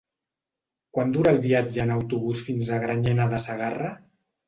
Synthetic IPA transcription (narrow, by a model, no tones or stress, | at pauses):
kwand̪uɾəːlˠβiad͡ʒəːnawt̪uβ̞usfinzəɣɾaɲɛnaðəsəɣarə